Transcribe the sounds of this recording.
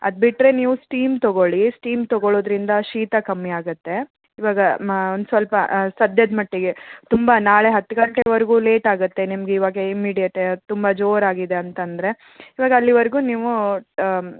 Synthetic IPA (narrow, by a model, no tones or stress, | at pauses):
ɐ̰d̪̚biʈɾe̞niːʋusʈiːmt̪ɔɡoɭisʈiːmt̪ɔɡoɭoːd̪ɾind̪ɐʃiːt̪ɐkɐmːiaːɡut̪ːe̞ | iʋaːɡɐond̪usʋɐlpɐsɐd̪ʱjɐd̪mɐʈːeɡe̞t̪umbɐnaːɭe̞ɦɐt̪ːuɡɐɳʈeʋɐɾɡuːle̞ːʈaːɡut̪ːe̞nimɐɡeiʋaːɡeimːiːɖijɐʈet̪umbɐd͡ʒoːɾaːɡid̪e̞ɐnt̪ɐnd̪ɐɾe̞ | iʋaːɡɐːlːiʋɐɾɡuːniːʋu